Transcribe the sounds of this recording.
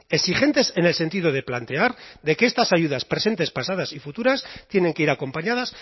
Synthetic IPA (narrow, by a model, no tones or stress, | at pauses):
e̞sixe̞nt̪e̞se̞nelse̞nt̪̬iðo̞ð̞e̞plant̪e̞aɾðe̞ke̞est̪asaʝuð̞aspɾe̞se̞nt̪e̞spasað̞asifut̪uɾast̪jene̞ŋkeiɾako̞mpaɲað̞as